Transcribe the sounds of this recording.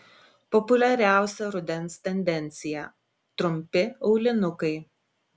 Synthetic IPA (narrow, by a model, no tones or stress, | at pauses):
pɔpʊlʲɛɾʲæˑʊsʲɛɾʊd̪ʲɛnst̪ʲɛnʲd̪ʲɛnʲt̪sʲɪjɛ | t̪ɾʊmʲpʲɪɐʊlʲɪnʊkɐɪ